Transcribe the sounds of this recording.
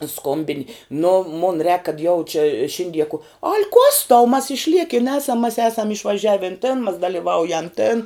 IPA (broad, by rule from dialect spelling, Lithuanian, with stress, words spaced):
ˈskoːmʲbʲɪnʲɪ nʊ mʊn rʲɛːk kɐt jɛʊ t͡ʃʲɪ ˈʃʲɪnʲdʲiɛ kʊ ɐlʲ kuɔs tɐʊ mɐs ɪʃʲˈlʲiɛkʲɪn ˈæːsɐm mɐs ˈæːsɐm ɪʃʋɐˈʒʲæːʋʲɪn tʲɪn mɐs dɐlʲɪˈʋɐʊjɛm tʲɪn